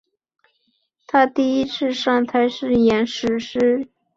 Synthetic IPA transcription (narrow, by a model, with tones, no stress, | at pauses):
t̪ʰa˥t̪i˥˩i˥t͡sʰɻ̩˥˧ʂɑ˥˩ŋt̪ʰa˧˥ɪʂɻ̩˥˩jɛ˧˥nʂɻ̩˧˥ʂɻ̩˥